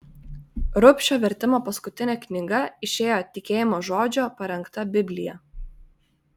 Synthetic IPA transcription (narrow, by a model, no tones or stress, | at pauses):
ɾʊpʲʃʲoːʋʲɛɾʲt̪ʲɪmoːpɐskʊt̪ʲɪnʲɛknʲɪɡɐɪʃʲeːjoːt̪ʲɪkʲeːjɪmoːʒoːd͡ʒʲoːpɐɾʲɛŋkt̪ɐbʲɪbʲlʲɪjɛ